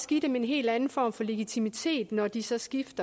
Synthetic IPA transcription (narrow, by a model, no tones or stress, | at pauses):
sɡ̥id̥emee̝nɦe̝̰ːld̥ænn̩fɒ̰ːmfɒ̽le̝ɡ̥it͡sʰimit͡sʰe̝̰ːd̥nɒd̥isɒ̽sɡ̥ifd̥ɐ